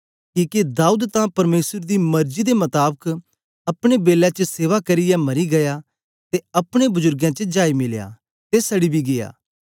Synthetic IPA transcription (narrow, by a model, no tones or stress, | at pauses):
kiːked̪aːuːd̪t̪ãpɐɾmeːsəɾd̪imɐɾd͡ʒid̪emɐt̪aːbək | ɐpɽ̃ebeːlãt͡ʃəseːʋakɐɾijamɐɾiɡɐja | t̪eɐpɽ̃ebʊzʊɾɡjãt͡ʃəd͡ʒaːimɪlja̰ | t̪esɐɽibʱiɡeja̰ː